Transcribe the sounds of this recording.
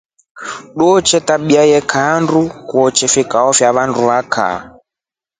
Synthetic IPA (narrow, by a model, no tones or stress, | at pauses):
ɗuɔt͡ʃɛtaɓiajɛkʰandukuɔt͡ʃɛfikaɔfjaβanduβakʰa̰